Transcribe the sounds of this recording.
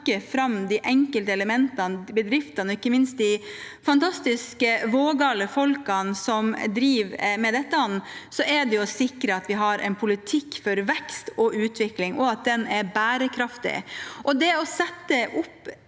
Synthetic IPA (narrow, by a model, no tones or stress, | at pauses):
kːəfɾɑmd̪ɪʔɛŋkəlt̪əɛləmɛnt̪ɑnbəd̪ɾɪft̪ɑnɔɪkːəmɪnst̪̚d̪ɪfɑnt̪ʰɑst̪ɪskəʋoːɡɑːləfɔlkɑnsɔmd̪ɾiːʋmɛd̪ɛt̪ːəɔnːsɔʔɛɖ̪ɛjʊsɪkɾəɑt̪ʋɪɦɑɾʔɛ̰ɪnpʰʊlɪt̪ʰɪkːfɔɾʋɛkst̪ɔʔʉːt̪ʋɪklɪŋʔɔɑt̪̚d̪ɛnɛɾbæːɾəkʰɾɑft̪ɪ̰ʔɔd̪ɛɔsɛt̪ːəʔʊpː